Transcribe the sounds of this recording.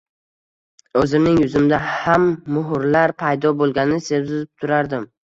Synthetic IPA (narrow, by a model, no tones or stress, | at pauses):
ɵzɪmnɪŋjʊzɪmd̪ahamːʊɦʊɾlaɾpʰajd̪ɒbolˠɡʲanɪse̞wzɪzɪp̚t̪ʰʊɾaɾd̪ɪm